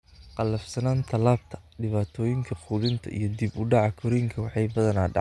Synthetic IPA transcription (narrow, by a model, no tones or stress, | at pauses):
qɑlɐfsɐnaːnt̪ʰɐlaːb̚t̪ʰɐ̥ | ɖɪβaːt̪ʰɔːjɪŋkʰɐqʰuːlɪnt̪ʰɐ̰ʔḭjɞd̪ibʊɖɑʕɑkʰɔɾiːŋkʰɐwɑħɑjbɐðɐnaːɖɑ̰ʕ